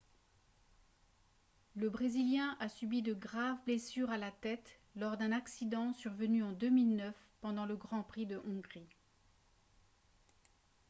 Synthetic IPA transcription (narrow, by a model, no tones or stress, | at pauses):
ləbʁeziljɛ̃ʔasybid̪əɡʁavblesyʁalat̪ɛt̪ | lɔʁd̪ɛ̃naksid̪ɑ̃syʁvənyɑ̃d̪ømilnœf | pɑ̃d̪ɑ̃ləɡʁɑ̃pχid̪əʔɔ̃ɡʁi